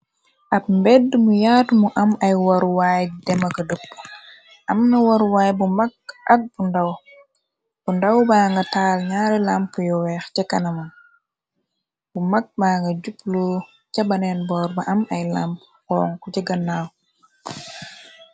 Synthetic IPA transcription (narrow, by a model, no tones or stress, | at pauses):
ʔɐp̚mbɛdːmujaːtmuʔɐmɐjwɐɾwaːjdɛmɐkɐdəpː | ʔɐmnɐwɐɾwaːjbumɐk̚ʔɐk̚b̥undɐw | b̥undɐwbaːŋɡɐtaːlɲaːɾɛlampujɔwɛxcɐkɐnɐmɐn | bumɐk̚baːŋɡɐɟupːlɔ | cɐbɐnɛnbɔːɾbɐʔɐmɐjlamp | xɔːŋkɔcɐɡɐnːaw